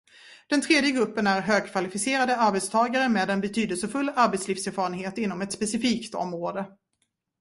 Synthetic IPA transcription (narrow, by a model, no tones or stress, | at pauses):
d̪̥ɛnt̪ʰɾeːd̪jəɡɾɵpːənæɾɦøːɡ̚kʰvalɪfɪseːɾad̪əaɾbɛt̪st̪ʰɑːɡaɾəmeːd̪ɛnbɛt̪ʰyːd̪əlsəfɵlːaɾbɛt̪sliːfsæɾfɑːɾənɦeːt̪ɪn̪ːɔmɛt̪spɛsɪfiːkt̪ɔ̰mɾoːd̪ə